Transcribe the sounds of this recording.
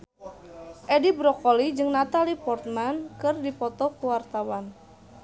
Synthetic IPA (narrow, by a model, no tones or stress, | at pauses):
ʔedibɾɔkɔlid͡ʒɨŋnat̪alipɔrt̪̚mankɨrdipɔt̪ɔkuwart̪awan